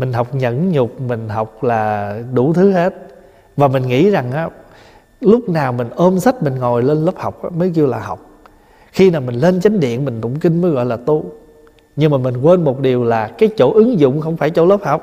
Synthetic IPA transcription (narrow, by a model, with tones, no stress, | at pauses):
mï˨˩ŋ̟ɦa˨˩wk͡p̚ɲə̰˧˥nɲʊ˨˩k͡p̚mï˨˩ŋ̟ɦa˨˩wk͡p̚laː˨˩ɗu˧˩t̪ʰɨ˨˦he˦˥t̚ | vaː˨˩mï˨˩ŋ̟ŋḭ˧˥za˨˩ŋʔaː˨˦ | lʊ˦˥k͡p̚naː˨˩wmï˨˩ŋ̟ʔəː˧msa˦˥t̚mï˨˩ŋ̟ŋo˨˩jle˧nləː˦˥p̚ha˨˩wk͡p̚ʔaː˨˦məː˨˦jki˧əwlaː˨˩ɦa˨˩wk͡p̚ | xi˧naː˨˩wmï˨˩ŋ̟le˧nt͡ɕa˨˦jŋ̟ɗḭ˧˨ənmï˨˩ŋ̟t̪ʊ̰˧˨ŋ͡mkï˧ŋ̟məː˨˦jɣɔ̰˧˨jlaː˨˩t̪u˧ | ɲɨ˧ŋmaː˨˩mi˨˩ŋ̟kwe˧nmo˨˩t̚ɗi˨˩əwlaː˨˩kaː˨˦jt͡ɕo̰˧˥ʔɨ˨˦ŋzʊ̰˧˨ŋ͡mxə˧wŋ͡mfaː˧˩jt͡ɕo̰˧˥˦ləː˦˥p̚ha˨˩wk͡p̚